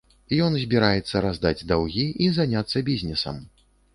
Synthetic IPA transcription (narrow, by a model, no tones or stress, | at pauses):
jɔnzʲbʲiɾajɛt̪sːɐɾazd̪ad͡zʲd̪awɣʲiʔizanʲat̪sːɐbʲizʲnʲɛsɐ̰m